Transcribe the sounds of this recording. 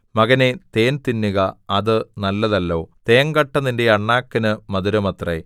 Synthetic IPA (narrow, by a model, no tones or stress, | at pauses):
mɐɣɐnet̪eːnt̪inːuɣɐɐðɨnɐlːɐðɐlːo̞ːt̪eːɐŋɡɐʈːɐnindeɐɳːaːkːɐnɨmɐðuɾɐmɐt̪re